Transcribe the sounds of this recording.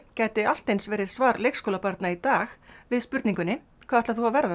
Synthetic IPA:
cɛːt̪ɪal̥t̪ejnsvɛːɾɪðsvaːɾlejkskowlapaɾt̪nait̪aːxvɪðspʏɾt̪niŋkʏnːɪ | kʰvaːɛt̪aθuhavvɛɾða

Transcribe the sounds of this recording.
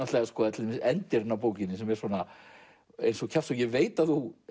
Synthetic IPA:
aft̪lɛɣaskɔːðat̪ʰɪlmɪsɛnt̪ɛɾnap̬oːwcɪnːɪsɛmɛɾ̥sɔna | ḛjnsɔɣcʰaft̪sɔɣjɛveːjt̪aθu

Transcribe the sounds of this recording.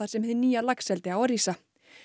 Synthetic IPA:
aɾ̥sɛmhɛðniːjalaksɛlt̪ɪawaɾisa

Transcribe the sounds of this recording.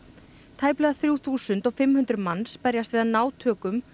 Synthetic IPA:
t̪ʰaːjplɛðaθɾjuwθuːsʏnt̪ɔfɪmhʏnt̪ɾʏmanːspɛɾjast̪vɪːðanaːwt̪ʰœːkʏm

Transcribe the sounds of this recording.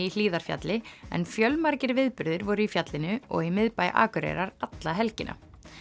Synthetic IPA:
il̥iːðaɾ̥fja̰t̪lɪɛ̰nfjœlmaɾcɪɾvɪðpʏɾðɪɾvɔːɾʏifjat̪lɪnʏɔ̰ɣimɪðpajʔa̰ːkʏɾḛɾaɾat̪laɦɛlcɪnʔa̰

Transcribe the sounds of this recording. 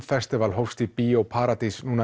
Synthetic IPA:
fɛst̪ɪvalɦowfst̪ipiːowpʰaɾat̪isnũna

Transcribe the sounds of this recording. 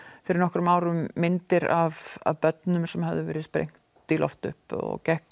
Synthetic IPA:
fɪɾɪɾnɔhkɾmaːwɾʏmːɪnt̪ɪɾava̰vpœt̪nʏmsɛmhavðɪvɛːɾɪspɾḛjŋ̥t̪ːɪlɔ̰ft̪ʏ̰hpɔ̰ɣcɛhk

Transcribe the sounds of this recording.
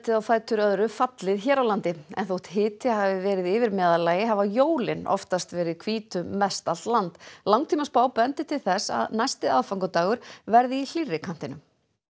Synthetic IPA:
t̪ɪðawθaːjt̪ʏɾœðɾʏfat̪lɪðçɛːɾawlant̪ɪɛ̰nθouht̪ɦɪːt̪ʰɪhaːvɪvɛːɾɪðɪːvɪɾmɛːðalaːjɪɦavajoːwlɪnɔ̰ft̪ast̪vɛːɾɪðkʰviːt̪ʏːɛst̪al̥t̪lant̪lawŋt̪ʰiːmaspaːwpɛnt̪ɪt̪ʰɪlθɛsa̰ðnajst̪ɪðaðfaŋkʏt̪aːɣʏɾ̥vɛɾðɪil̥irːɪkʰan̥t̪ɪnʏm

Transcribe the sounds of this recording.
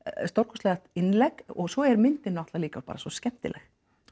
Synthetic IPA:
st̪owɾkʰɔst̪lɛːɣaht̪ɪnlɛkɔɣsɔɛɾmɪnt̪ɪnːʏat̪laliːkaɔ̥pa̰ːɾasɔscɛm̥t̪ɪ̰lɛx

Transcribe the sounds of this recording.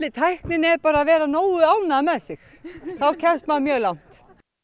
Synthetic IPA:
lɪt̪ʰajhknɪnɛɾpaːɾaðvɛːɾanoːwʏaːwnamɛðsɪx | θawcʰɛɾ̥st̪manmjœːlawn̥t̪

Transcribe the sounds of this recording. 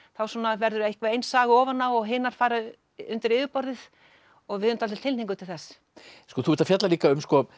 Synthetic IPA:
θawsɔːnavɛɾðʏɾehkvaejnsaːɣɔːvanːawɔɣɦɪːnaɾ̥faːɾa | ʏnt̪ɪɾɪːðɪpɔɾðɪð | ɔɣvɪðʏmnt̪ʰalɪlt̪ʰɪlniŋk̬ʏt̪ʰɪlθɛsː | skɔθuɪɾt̪afjat̪laliːkaʏmskɔ

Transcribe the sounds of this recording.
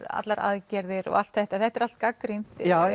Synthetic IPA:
ɾa̰t̪laɾʔa̰ðcɛɾðɪɾɔ̰a̰l̥t̪θɛht̪aθɛht̪ɛɾal̥t̪̚kakːɾint̪a

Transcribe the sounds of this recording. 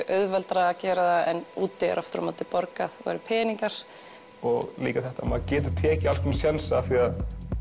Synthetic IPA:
ʔœðvɛlt̪ɾaːcɛːɾaðaɛnuːt̪ːɪɛ̰ɾʔɔft̪ɾɔ̰mat̪ɪpɔɾkaðva̰ɾʏpʰɛːniŋkaɾ̥ | ɔɣlḭːkaθɛht̪amaðcɛːt̪ʏt̪ʰɛːcɪal̥kʰvɛmsjɛnsaθiað

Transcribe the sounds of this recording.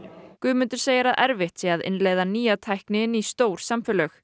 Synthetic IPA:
kʏːmʏnt̪ʏɾ̥seːjaɾaðʔɛɾvɪht̪sɛaðɪ̰nleːjðaniːjat̪ʰajhknɪnist̪oːwɾ̥samfɛlœx

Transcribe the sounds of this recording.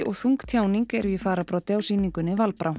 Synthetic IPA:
ʔɔɣθuŋkt̪ʰjaːwniŋkɛɾvjɪfaːɾapɾawt̪jaːwsiːniŋkʏnɪvalpɾʔaw

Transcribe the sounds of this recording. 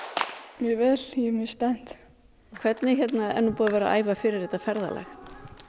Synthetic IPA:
mɛvɛːljɛmɛspɛn̥t̪ | kʰvɛt̪nɪçjɛt̪naɛ̰nːupuːðavɛːɾa̰ʔa̰ːjvafɪɾɪɾɛːt̪afɛɾða̰lɛ̰x

